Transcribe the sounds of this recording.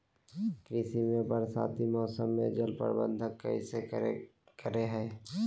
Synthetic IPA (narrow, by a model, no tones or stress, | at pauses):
kɾɪsimẽbəɾsa̰ːt̪imɔːsəmːḛ̃d͡ʒəlpə̰ɾbə̰̃nd̪ʱəkːə̰ḭse | kəɾeɦɛː